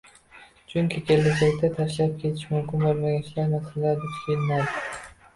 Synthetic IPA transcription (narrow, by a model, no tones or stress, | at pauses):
d͡ʒʊŋkʲʰekʲelːad͡ʒakʲt̪ʰat̪ʰaɾʃlap̚kʲʰe̞t̪ʰɪʃmʊmkʲɪnbolˠmaɡʲanʃlaɾmasalːaɾd̪ɪk̪ʲʰelɪnad̪ɪ